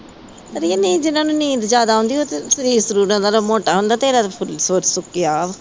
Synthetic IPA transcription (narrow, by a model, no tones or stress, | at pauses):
t̪əɾnĩːd͡ʒɪnãːnũːnĩːd̪d͡ʒjaːd̪aːɦʊ̃nd̪iːoːt̪esəɾiːɾsəɾuːɾãːd̪aːlaːmoːʈaːɦʊ̃nd̪aːt̪eːɾaːt̪ːpʰʊlsoːt͡ʃsʊkːijaːʋ